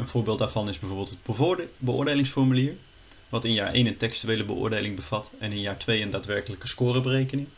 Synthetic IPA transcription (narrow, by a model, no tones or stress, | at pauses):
ənv̥ʊːɹbɪlˠdaːɹvɑnɪzbɛvoːɹbɪlˠtɦətbəʊ̰ːɹdejlɪŋsfɔɹmyliːɹ | ʋɑtɪnjaːɹḛjnəntɛkstyʋejləbəʔʊ̰ːɹdejlɪŋbəv̥ɑtɛnɪnjaːɹtʋejəndaːtʋɛɹkələkəskoːrəbərejkənɪŋ